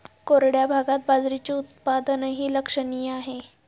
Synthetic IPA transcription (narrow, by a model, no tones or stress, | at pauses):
koɾɽjabʱaɡat̪̚bad͡zɾit͡ɕiːut̪̚pad̪ənəɦiːləkʂəɳiːaɦe